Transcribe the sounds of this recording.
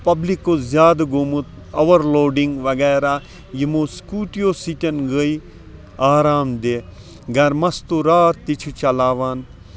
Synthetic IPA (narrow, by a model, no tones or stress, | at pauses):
pɐblikːoːzʲjaːd̪ɡomut̪ | ɐʋɐɾloːɖiŋɡʋɐɡɛːɾaː | jimoːskuːʈijoːsit̪ʲɐnɡəi | aːɾaːmd̪eː | ɡɐɾmɐst̪oɾaːt̪ːit͡ʃʰut͡ʃɐlaːʋaːn